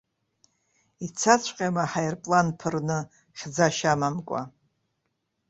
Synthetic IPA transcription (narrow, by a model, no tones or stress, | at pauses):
it͡sʰat͡ɕʷʰʼqʲʼamaħajrpʼlanpʰɨrnɨ | χʲd͡zaʃamamkʷʼa̰